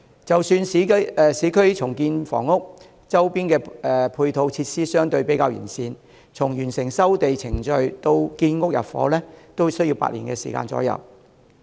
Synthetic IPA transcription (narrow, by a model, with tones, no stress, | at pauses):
t͡sɐ˨wsyː˧n˨˥˨siː˨˥kʰɵ˥ɥt͡sʰʊ˨˩ŋkiː˧nfɔ̰ː˨˩ŋːʊ˥k̚ | t͡sɐ˥wpiː˥nkɛː˧ɛ˧pʰuː˧jt̪ʰo˨˥wt͡sʰiː˧t̚siː˥sœː˥ŋt̪ɵ˧ɥpe˨˥jkaː˧wjyː˨˩nsiː˧n | t͡sʰʊ˨˩ŋjyː˨˩nsɪ˨˩ŋsɐ˥wt̪e˨jt͡sʰɪ˨˩ŋt͡ʃɵ˧ɥt̪o˧wkiː˧nŋʊ˥k̚jɐ̰˨˩pfɔ̰ː˨˥lɛː˥t̪o˥wsɵ˥ɥji˧wpa̰˧˥lḭː˨˩kɛː˧sḭː˨˩ka̰ː˧nt͡sɔ̰˨˥jɐ̰˨˩w